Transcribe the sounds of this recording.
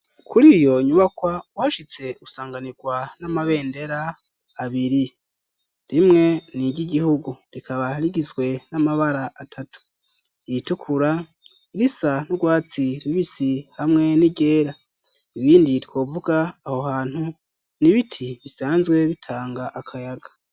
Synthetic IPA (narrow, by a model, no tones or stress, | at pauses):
kʰuɾijo̞ɲuβakwawaːʃit͡se̞usaːŋɡaniɡwanamaβe̞ːnde̞ɾaː | βiɾi | ɾimŋe̞niɟiɟihuɡuɾikʰaβaɾiɡizɡwe̞namaβaɾaatʰatu̥ | itukʰuɾa | iɾisanuɡwaːt͡siɾiβisihamŋe̞niɡe̞ːɾa | iβiːndikwo̞ːvuɡaːho̞haːn̥hu | niβitʰiβisaːnzɡwe̞βitʰaːŋɡaʔakʰajaɡḁ